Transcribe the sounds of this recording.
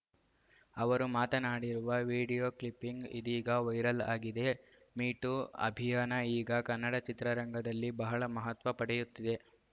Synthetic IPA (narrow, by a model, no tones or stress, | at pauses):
ɐʋɐɾumaːt̪ɐnaːɽiɾuʋɐʋiːɖijoːklipːiŋɡid̪iːɡɐʋɐjɾɐlaːɡid̪e̞ | miːʈuɐ̰bʱijaːnɐiːɡɐkɐnːɐɽɐt͡ʃit̪ɾɐɾɐŋɡʱɐd̪ɐlːibɐɦɐɭɐmɐɦɐt̪ʋɐpɐɽɛjut̪ːid̪e̞